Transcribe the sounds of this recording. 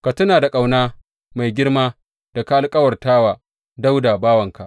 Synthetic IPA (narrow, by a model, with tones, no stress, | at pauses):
ka˨tʊ˦naː˨da˨kʼa˨wnaː˦ | ma˨jɡʲɪ˦rmaː˦ | d̥a˨ka˦ʔa˨˦lkʼɐ˦wɐ˨rtaː˦waː˨ | da˦wdaː˨baː˦wɐ˨ŋka˨ʔ